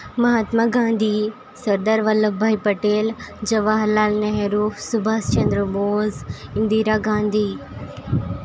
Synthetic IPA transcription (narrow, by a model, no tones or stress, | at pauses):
mɐɦaːt̪maɡãːnd̪ʱi | sɐɾd̪aɾʋɐləbʱaːipɐʈeːld͡ʑɐʋaɦɐlaːlnɐɦɾuːfsʊbʱaːst͡ʃɐ̃nd̪ɾəmoːzɪ̃nd̪iːɾaɡãːnd̪ʱi